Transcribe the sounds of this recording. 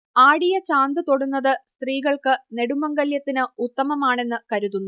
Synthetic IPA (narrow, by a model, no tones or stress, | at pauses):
aːɽijɐt͡ɕaːnd̪ɨt̪o̞ɽunːɐðɨst̪riːɣɐɭkɨne̞ɽumɐŋɡɐljɐt̪ːinɨut̪ːɐmɐmaːɳe̞nːɨkɐɾuðunːu